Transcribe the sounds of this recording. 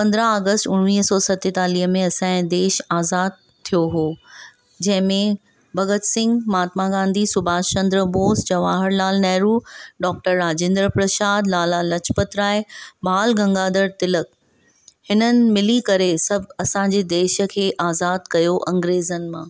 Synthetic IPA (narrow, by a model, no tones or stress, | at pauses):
pɐ̃nd̪ɾaaːɡəsʈʊnniːɦsɔːsɐt̪et̪aːliːɦəmẽɐsãːd̪eːʃaːzaːd̪̚ | t̪ʰijoɦoː | d͡ʑɐ̃ɦɪ̃mẽ | bʱɐɡət̪sɪ̃ŋɡmaːt̪maɡãːnd̪ʱisʊbʱaːst͡ɕɐ̃nd̪ɾəboːsd͡ʑɐʋaːɦəɾlaːlnɛɦɾuːɖɔːk̚ʈəɾːaːd͡ʑẽːnd̪ɾəpɾɐʃaːd̪laːlalɐt͡ɕʰpət̪ɾaːebaːlɡɐ̃ŋɡaːd̪əɾt̪ɪlək̚ | hɪnənɪ̆mɪlikɐɾesɐbʱɐsãɲd͡ʑed̪eːʃə̆kʰeːʔaːzaːd̪̚kɐjoʔɐ̃ŋɡɾeːzənɪ̆mã̰ː